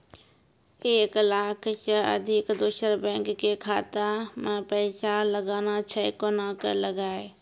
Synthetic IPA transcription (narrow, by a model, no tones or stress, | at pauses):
eːklaːkʰt͡ʃəə̰d̪ʱɪkd̪oːʃəɾbɛ̃ːŋkːekʰaːt̪amãpəɪsaləɡaːnat͡ʃʰəekonaːkəɾləɡaːe